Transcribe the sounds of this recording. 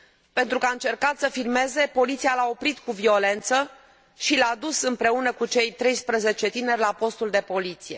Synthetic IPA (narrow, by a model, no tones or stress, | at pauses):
pe̞nt̪ɾukəaɨnt͡ʃe̞rkat̪səfirme̞ze̞po̞lit̪sialao̞pɾit̪kuvio̞le̞nt̪sə | ʃilad̪usɨmpɾe̞unəkut͡ʃe̞jt̪ɾe̞jspɾəze̞t͡ʃe̞t̪ine̞rʲlapo̞st̪uld̪e̞po̞lit̪sije̞̰